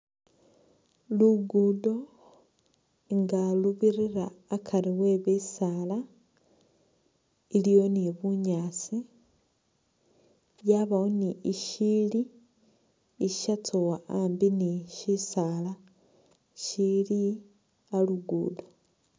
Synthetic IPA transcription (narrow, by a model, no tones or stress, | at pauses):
luɡudo̞ | ŋɡaluβiɾiraːkʰaɾiwe̞βesaːla | ilijo̞niβuɲaːt͡si | jaβawoniiʃili | iʃat͡sʰowaambiniʃisaːla | ʃili | aluɡṵːdo